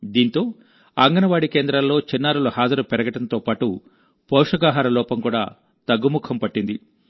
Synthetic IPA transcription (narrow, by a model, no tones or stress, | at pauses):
d̪iːnt̪o̞ː | ɐŋɡɐnɐʋaːɽike̞ːnd̪ɾɐllo̞ːt͡ʃinːaːɾuluhaːd͡ʒɐɾupɛɾɐɡɐʈɐnt̪o̞ːpaːʈu | pɔːʂɐɡaːɦaːɾɐlɔːpɐmkuːɽa̰ː | t̪ɐɡːumukʰːɐmpɐʈːind̪i